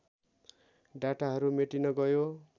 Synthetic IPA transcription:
ɖaʈaɦʌɾumeʈinʌɡʌjo

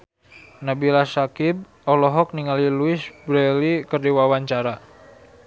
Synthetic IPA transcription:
nabilasakib̚ | ɔlɔɦɔk̚niŋaliluisbɾɛlikərdiwawaɲt͡ʃaɾa

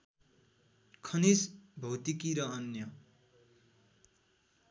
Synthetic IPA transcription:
kʰʌnisbʱʌwt̪ikiɾʌʌnjʌ

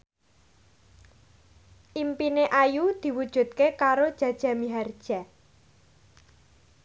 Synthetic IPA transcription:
ʔimpineʔajud̪̥i̤wud̥ʒ̥ṳt̪̚kekaɾod̥ʒ̥ä̤d̥ʒ̥a̤miɦard̥ʒ̥a

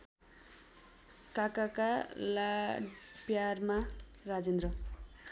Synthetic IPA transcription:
kakakala | pjarma | rad͡zend̪rʌ

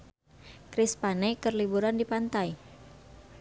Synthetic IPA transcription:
kɾɪspanekərlibuɾandipant̪aj

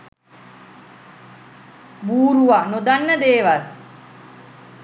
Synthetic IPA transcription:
buːɾuʋanod̪anːəd̪eːʋaɾ

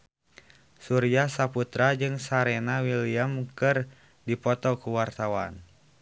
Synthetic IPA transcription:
suɾiasaput̪ɾad͡ʒɨŋsaɾɛnawiliamkɨr | dipɔt̪ɔkuwart̪awa̰n

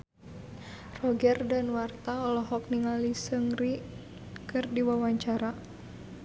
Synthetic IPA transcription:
rɔɡɛrdanwart̪aɔlɔɦɔk̚niŋalisəŋri | kɨrdiwawaɲt͡ʃaɾa

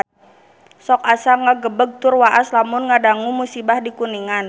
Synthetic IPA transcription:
sɔk̚asaŋaɡəbəɡ̚t̪ʊrwaʔaslamʊnŋadaŋumusibahdikuniŋan

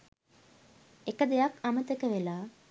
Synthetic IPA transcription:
ekəd̪ejakamət̪ekəʋelaː

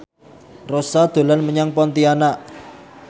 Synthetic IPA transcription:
rosad̪̥o̤lanməɲaŋpɔnt̪ianaʔ

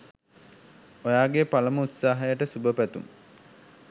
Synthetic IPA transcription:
ojaːɡepaləməut̪saːɦəjəʈəsubəpæt̪ṵŋ

